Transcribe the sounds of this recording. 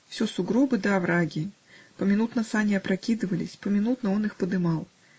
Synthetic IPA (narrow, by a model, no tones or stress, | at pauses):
wsʲɔsuɡɾɔbɨd̪ɐːvɾaɡʲi | pɐmʲinut̪nɐsanʲiɐpɾakʲid̪ɨvɐlʲḭsʲpɐmʲinut̪nɐɔnɨxpɐd̪ɨmaw